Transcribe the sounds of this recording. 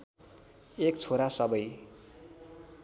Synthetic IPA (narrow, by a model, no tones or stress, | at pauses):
ekt͡sʰoɾasʌbʌj